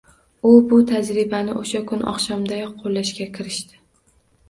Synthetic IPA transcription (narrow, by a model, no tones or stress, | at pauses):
ʊbʊt̪ʰad͡ʒɾɪbanɪʔoʃakʰʊnɒ̰χʃɒmd̪ajɒqʰːolːaʃkʲakʲʰɪɾɪʃt̪ɪ̥